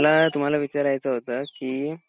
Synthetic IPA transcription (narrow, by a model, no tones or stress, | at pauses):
lat̪um̤alaʋit͡ɕaɾajt͡səɦot̪əkiː